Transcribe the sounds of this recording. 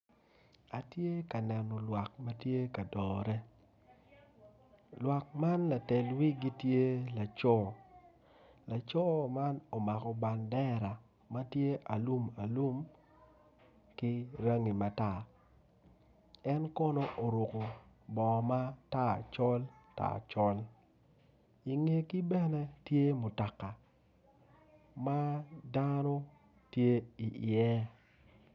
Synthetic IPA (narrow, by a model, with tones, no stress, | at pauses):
a˨tje˦ka˨nɛ˨nɔ˨lwa˨kma˦tje˦ka˨dɔːɾɛ˦ | lwa˨k̚ma˦nla˨tɛ˨lwi˦ɡi˦tje˦la˨t͡ʃɔ˦ | la˨t͡ʃɔ˦ma˦no˨ma˨kɔ˨ba˨ndɛ˦ɾa˨ | ma˦tje˦ʔa˨lu˦ma˨lu˦m | kɪ˦ɾa˦ŋi˨ma˨ta˨ | ɛ˦nkɔ˦no˦ʔo˨ɾo˨ko˨bɔ˨ma˦ta˦˨t͡ʃɔ˦lta̰˦˨t͡ʃɔ˦l | i˨ŋe˨ki˦bɛ˦nɛ˦tje˦mʊ˨ta˨ka˨ | ma˦da˦nɔ˦ | tje˦i˨ʔɪ˨ɛ˦